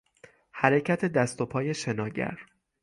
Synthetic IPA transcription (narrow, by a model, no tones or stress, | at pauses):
hæɾe̞cʰæt̪ʰe̞d̪æst̪o̞pʰɒːje̞ʃe̞nɒːɟæ̰ɾ